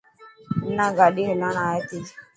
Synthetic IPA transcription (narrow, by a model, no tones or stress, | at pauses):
naɡaɗiɦulanajet̪id͡ʒ